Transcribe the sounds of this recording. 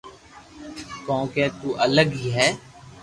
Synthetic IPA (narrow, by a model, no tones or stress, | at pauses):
kɔ̃ːkɛːt̪uːʔələɡiɦɛː